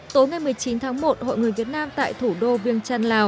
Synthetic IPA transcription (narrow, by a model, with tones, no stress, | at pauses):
t̪o˨˦jŋa˨˩jmɨ˨˩əjt͡ɕi˨˦nt̪ʰaː˨˦ŋmo˨˩t̚ho̰˧˨jŋɨ˨˩əjvi˨˩ət̚naː˧mt̪a̰ː˧˨jt̪ʰu˧˩ɗo˧vi˧əŋt͡ɕaː˧nlaː˨˩w